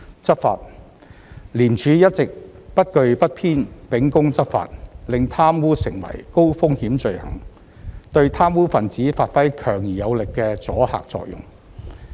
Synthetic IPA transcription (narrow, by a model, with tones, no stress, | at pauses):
t͡sɐ˥t̚fa̰ː˧t̚ | liː˨˩nt͡ʃʰyː˨˧jɐ˥t̚t͡sɪ˨k̚pɐ˥t̚kɵ˧ɥpɐ˥t̚pʰiː˥npɪ˨˥ŋkʊ˥ŋt͡sɐ˥t̚fa̰ː˨˧t̚lɪ˨ŋt̪ʰaː˥mwuː˥sɪ˨˩ŋwɐ̰˨˩jko˥wfʊ˥ŋhiː˨˥mt͡ʃɵ˧ɥhɐ̰˨˩ŋ | t̪ɵ˧ɥt̪ʰaː˥mwuː˥fɐ˨nt͡siː˨˥faː˧t̚fɐ˥jkʰœː˨˩ŋjiː˨˩jɐ˨˧wlɪ˨kːɛː˧t͡sɔː˨˥ha̰ː˨k̚t͡sɔ̰ː˧k̚jʊ̰˨˩ŋ